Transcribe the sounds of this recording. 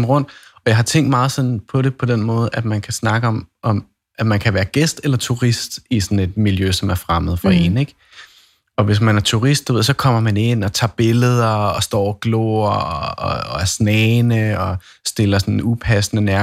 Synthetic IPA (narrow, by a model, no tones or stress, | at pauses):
mʁɔ̽n̰d̥ɒ̽jɑ̈ɪɦɑ̈t͡sʰeŋ̰ɡd̥mɑ̈ːð̞̩ˠsɒ̽npʰɒ̽ɾe̝pʰɒ̽d̥enmɔ̽ːð̞̩ˠʔæd̥mænkʰæsnɑ̈ɡ̥əɒ̽mʔɒ̽m | ʔæmænkʰæʋæːɐɡ̥esd̥elɐt͡sʰuʁisd̥isɒ̽n̩e̝d̥miljøsɒ̽mæɐfʁamð̞̩ˠfɒe̝̰ːneɡ̥ | ɒ̽ʋe̝s̬mænæɐt͡sʰuʁisd̥eʋe̝ð̰ˠs̬ɒ̽kʰɒ̽m̰ɐmæne̝n̰ɒ̽t͡sʰɑ̰̈ːb̥e̝ləðˠɐɒsd̥ɒ̰ɒɐɡ̥lo̰ːɐ | æɐsnɛːnəɒ̽ | sd̥e̝lɐsɒ̽nupʰæsənənæɐ